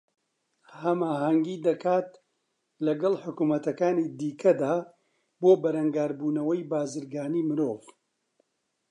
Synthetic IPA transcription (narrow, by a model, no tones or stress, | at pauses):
hɐmaːhɐŋɡiːd̪ɐkʰaːt̪ | lɐɡɐlħʊkuːmɐt̪ɐkaːniːd̪iːkʰɐd̪aː | boːbɐɾɐŋɡaːɾbuːnɐwɐjbaːzɨɾɡaːniːmɨɾoːv